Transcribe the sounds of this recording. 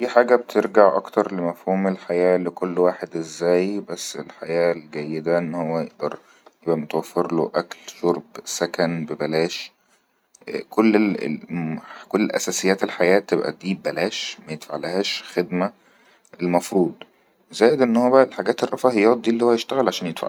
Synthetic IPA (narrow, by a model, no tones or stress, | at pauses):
fiːħaːɡæbt̪ʰeɾɡaʕʔɑ̰kt̪ɑɾˤlemæfhuːmelħajæːlekolːwaːħed̪ʔezːæːjbæsːḛlħajæːlɡæjːed̪æʔenːhowːæjeʔd̪ɑɾˤ | jebʔæmot̪æwæfːeɾlo̰ʔæklʃoɾˤbsækænbebælæːʃ | kolːeḛ | kolːʔæ̰sæsejːæːt̪elħajæːt̪ːebʔæ̰d̪iːbælæːʃmæjet̪faʕlhæːʃxed̪mæ | elmɑfɾuːd̪ˤ | zæːjed̪ʔenːhowæbæʔlħaɡæːt̪erˤːɑfɑhejɑːt̪̚d̪iːelːiːhowːæjeʃt̪æɣælʕaʃæːnjed̪fa̰ʕ